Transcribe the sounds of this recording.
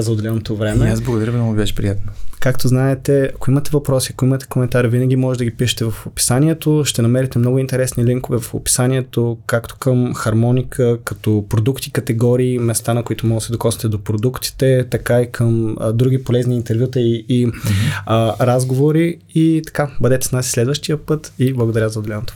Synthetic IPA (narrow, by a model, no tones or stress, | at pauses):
zɐod̪ɛlɛnot̪ovɾɛmɛazblˠɐɡod̪ɐɾəvnnɔɡʊibʲɛʃɛ̥pɾijat̪nkakt̪oznaɛt̪ɛɐkoimɐt̪ɛvɐpɾɔsiɐkoimɐt̪ɛ̥komɛnt̪aɾivinɐɡʲimɔʒɛd̪əɡʲipiʃɛ̥t̪ɛvɐfopi̥sanʲiɛt̪oʃt̪ɛnɐmɛɾɛt̪ɛmnɔɡʊint̪ɛɾɛsniliŋkovɛvɐfo̰pi̥sanʲiɛt̪okakt̪o̥kəmxɐɾmɔnikʰəkɐt̪ɔpɾod̪ukt̪ikɐt̪ɛɡɔɾiːmɛst̪anɐkoit̪omɔɡ̪sɛd̪okɔsit̪ɛd̪opɾod̪ukt̪i̥t̪ɛt̪ɐkaikʰəm̰d̪ɾuɡipolɛzniːnt̪ɛɾvjut̪əiː | ɾazɡovoɾi | it̪ɐ̥kabɐd̪ɛt̪ɛsnasi̥slɛd̪vəʃt̪iəpɤt̪iblˠɐɡod̪ɐɾʲazɐod̪ɛlɛnot̪o̥